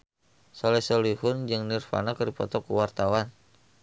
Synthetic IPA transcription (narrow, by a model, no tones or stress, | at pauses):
sɔlɛsɔlihʊnd͡ʒɨŋnirfa̰nakəɾipɔ̰t̪ɔkuwart̪awan